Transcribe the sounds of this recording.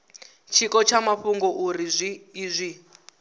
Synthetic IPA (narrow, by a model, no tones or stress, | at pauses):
t͡ʃʰikɔt͡ʃʰamaɸuŋɡɔʔuɾizʷiːzʷi